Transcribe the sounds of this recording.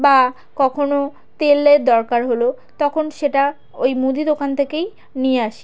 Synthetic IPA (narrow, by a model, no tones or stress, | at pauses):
ba | kɔkʰono | t̪elːeɾd̪ɔɾkaɾɦolo | t̪ɔkʰonʃeʈa | ojmud̪id̪okant̪ʰekej | nijeaʃe̥